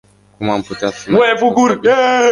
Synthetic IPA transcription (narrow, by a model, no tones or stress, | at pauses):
kumamput̪awɛvuɡuɾɛ